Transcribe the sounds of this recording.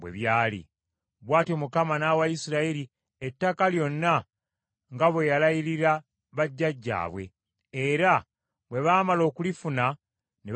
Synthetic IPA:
bwḛβjaːlḭ | βwaːtio̞mukamanawajisiɾaiɾi | etːakaljo̞nːa | ŋɡaβwe̞jalajiɾiɾa | βaɟːaɟːa̰ːβwe̞̰ | eɾa | βwe̞βaːmalo̞ːkulifuna | ne

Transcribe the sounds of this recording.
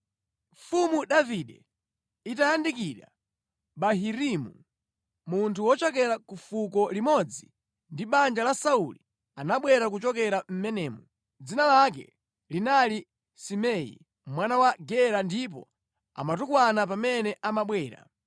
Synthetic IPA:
ɱfumuɗaviɗɛ̰ | itajandik̬iɗa̰ | ɓaɦiɾimu | muntʰuwɔt͡ʃɔk̬ɛɾakufuk̬ɔlimɔd͡zi | ndiɓand͡ʒalasauli | anaɓwɛɾak̬ut͡ʃɔkɛɾam̩mɛnɛːmu | d͡zinalak̬ɛ̰ | linali | simɛḭ | mwanawaɡɛɾandip̬ɔ̰ | a̰mat̬ukwanap̬amɛnɛʔamaɓwɛːɾa̰

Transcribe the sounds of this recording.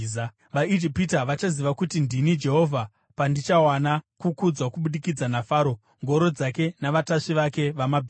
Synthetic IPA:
ʋaid͡ʒipitaʋat͡ʃaziʋakutindinid͡ʒe̞ɦo̞vʱa | pandit͡ʃawanakukud͡zwakuɓuɗikid͡zanafaːɾo̞ | ŋɡo̞ɾo̞d͡zake̞naʋataʂiʋake̞ʋamabʱiː

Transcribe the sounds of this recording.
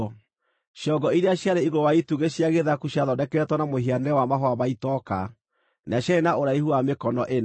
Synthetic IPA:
ʃjɔɡɔiɾeaɕjaɾeiɣowaituɣeɕjaɣeðakuɕjaðɔdɛkɛɛtwɔnamohianɛwamaɦɔamaitɔka | naɕjaɾenaoɾaihuamekɔnɔʔen

